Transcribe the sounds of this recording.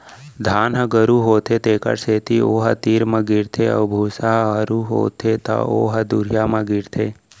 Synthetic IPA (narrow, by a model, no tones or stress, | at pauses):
d̪ʱaːnɦəɡəɾuɦoːt̪ʰet̪eːkə̰ɾseːt̪ioːɦət̪iːɾmə̃ɡiɾt̪ʰeə̰ʋbʱuːsaɦəɾuɦo̰ːt̪ʰet̪a̰o̰ːɦəd̪uɾjamə̃ɡiɾt̪ʰeː